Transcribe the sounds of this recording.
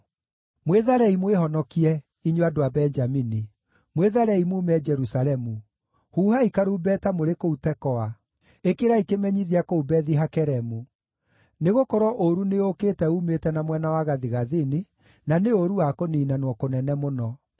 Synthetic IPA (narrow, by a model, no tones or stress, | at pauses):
mweðaɾɛimwehɔnɔkiɛ | iɲoadoabɛɲd͡ʒamini | mweðaɾɛimuːmɛd͡ʒɛɾusaɾɛmu | huːhaikaɾuːbɛtamoɾekoutɛkɔa | ekeɾaikemɛɲiðiakoubɛðiɦakɛɾɛmu | neɣokɔɾɔʔoɾuneokeːtɛumetɛnamwɛnawaɣaðiɣaðini | naneoɾuwakoniːnanwɔkonɛnɛmonɔ